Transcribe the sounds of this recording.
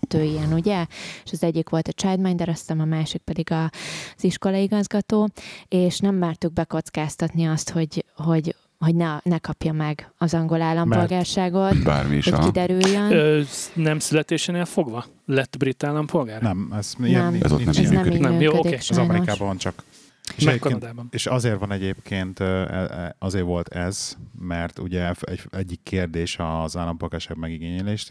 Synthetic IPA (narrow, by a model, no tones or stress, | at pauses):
t̪øːijɛnuɟɛeʃɒzɛɟːikʋo̞lt̪ɒt͡ʃaːd̪maːɲd̪ɛɾɒst̪ɛmɒmaːʃik̚pɛd̪iɡɒz̥iʃko̞lɒiɡɒzɡɒt̪oːeːʃnɛmːɛːrt̪uɡ̚bɛko̞t̪skaːst̪ɒt̪niɒst̪ho̞ɟho̞ɟ | ho̞ɟnɛnɛkɒpjɒmɛɡɒzɒŋɡo̞laːlːɒmpo̞lɡaːrʃaːɡo̞t̪ba̰ːrmḭʃho̥kid̪ɛɾyljːønːnɛmsylɛt̪eːʃɛneːlfo̞ɡvɒ | lɛt̪bɾit̪ːaːlːɒmpʰo̞lɡaːɾnɛmɛz̥nɛɛ̰zo̰inɛ̰zynɛmkøinɛmøːjokːøod̪ikːeːzɒmɛɾikaːbɒʋɒnt͡ʃɒk | eːʃɛmɛeːpːked̪aːbɔneːʃɒzeːrʋɒnɛɟeːpkʰeːnt̪ɛ̰ɒzeːrʋo̞lt̪ɛz̥mɛrt̪ṵɟɛɛ̰ɟɛɟːikːeːrd̪eːʃɒzaːlːɒmpo̞lɡaːrʃaːɡmɛɡiɡeːɲɛleːʃt̪